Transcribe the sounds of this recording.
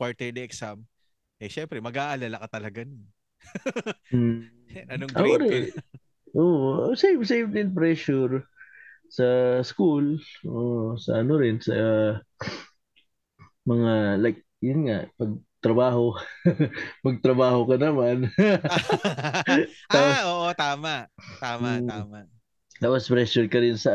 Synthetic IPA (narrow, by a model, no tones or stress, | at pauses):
pwaɹt̪ɛɹd̪ɐʔɛksam | ɐʃɛmpɾɛmɐɡaːʔɐlalɐkɐt̪ɐlɐɡanʊn | m̩ | ɐnoʔɐʔoɾɛ | ʔoːʔsejmsejmt̪ɪnpɾɛʃʊɹ | sɐskulʔoʔsɐ̰ʔɐnoɾɪnsɐ | mɐŋalajk̚jʊnŋaʔpɐɡ̚t̪ɾɐbaːɦo | mɐɡ̚t̪ɾɐbaːhokɐnɐman | t̪aoʔot̪aːmat̪a | t̪aːpɐspɾɛʃʊɹkɐɾɪnsɐ